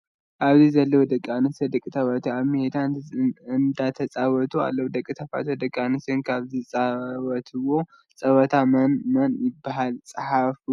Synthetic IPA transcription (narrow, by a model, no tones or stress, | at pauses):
ʔaβzizɐlːəwd̪əkʼːanɨsɐd̪ɨkʼɨt̪ʰɐwat̪ʰuaβmɨhed̪aɨnd̪at̪ʰɐsʼawɔt̪ʰua̰lːɐwd̪əkʼːit̪ʰɐfa̰t̪od̪əkʼːanɨsɨnkʰaβzɨsʼawɔt̪ʰɨwo | sʼɐwɐt̪ʰamnmɐnjɪbːaɦalsʼɨhafu